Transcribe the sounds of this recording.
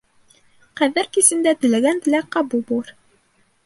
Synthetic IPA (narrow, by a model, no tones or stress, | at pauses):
qæðɘɾkisɘ̆nd̪æt̪ɘ̆læɡænt̪ɘ̆læqɑbubulˠɤɾ